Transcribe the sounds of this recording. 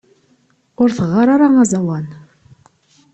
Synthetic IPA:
ʊɾθəʁːɑɾaɾaŋazɑwɑn

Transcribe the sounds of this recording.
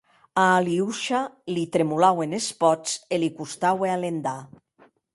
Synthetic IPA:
aːliuʃalit̪ɾemulawenespɔt͡selikust̪awealend̪a

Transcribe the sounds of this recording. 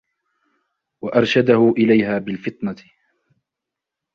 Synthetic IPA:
waʔɑɾˤʃad̪ahʊʔɪlajɦaːbɪlfɨt̪ˤnɑ

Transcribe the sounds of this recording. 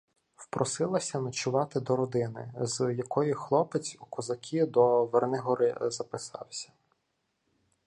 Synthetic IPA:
wpɾʔɔsɪlˠɐsʲɐnɐt͡ʃʊʋɑt̪ɪd̪ɔɾɔd̪ɪnɪ̰zjɐkɔjixlˠɔpet͡sʲukɔzɐkʲʰid̪ɔʋernɪɦɔɾɪzɐpɪsɑ̰wsʲɐ̥

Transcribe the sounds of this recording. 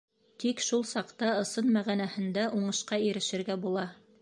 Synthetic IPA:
t̪ikʃulˠsɑqt̪ɑɤ̆sɤnmæʁænæhɘ̆nd̪æʔuɴɤ̆ʃqɑiɾɘ̆ʃɘ̆ɾɡæbulˠɑ

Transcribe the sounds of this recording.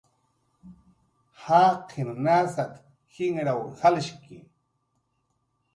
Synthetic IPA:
haːqʰɪmnaːsat̪ | xɪŋɾawhalʃki

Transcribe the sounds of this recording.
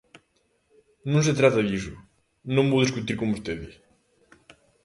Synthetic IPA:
nõnset̪ɾat̪aðisu | nõmbowðiskut̪iɾkombust̪eðɪ

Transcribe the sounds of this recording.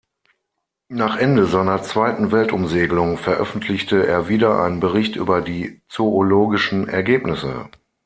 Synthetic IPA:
naːχʔɛndəzaɪnɐt͡sv̥aɪtn̩vɛltʊmzeːɡəlʊŋfɛɐʔœ̰fn̩tʰlɪçtəḛːɐviːdɐʔa̰ɪnənbəʁɪçtʔy̰ːbɐdiːt͡sooloːɡɪʃn̩ɛ̰ɐɡeːpnɪsə̰

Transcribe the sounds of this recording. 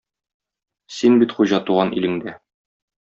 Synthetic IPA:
sinbit̪χuʑɑt̪uʁɑnḭlɘ̆ŋd̪æ

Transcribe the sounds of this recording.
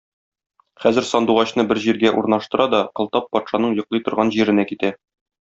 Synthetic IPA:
χæzɘ̆ɾsɒnd̪uʁɑɕnɤbɘɾʑiɾɡæʔuɾnɑʃt̪ɤ̆ɾʔɑd̪ɒqɤ̆lˠt̪ɑpːɒt̪ʃɑnɤɴjŏqlˠɤjt̪ŏɾʁɑnʑiɾɘ̆nækit̪æ

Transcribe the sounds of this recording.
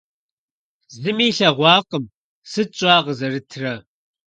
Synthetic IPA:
zɨmiːɬɐʁʷɑːqʼəm | sɨt͡ʃʼɑːʁəzɐrɨtʰrɐ

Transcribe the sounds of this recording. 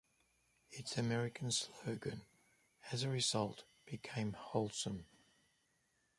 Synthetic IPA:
ɪtsəmɛɹɪkʰə̃nsləʊɡə̃n | əzəɹɪzʌlˠʔ | b̥ɪkʰẽɪ̃mhɒʊlˠsə̃m

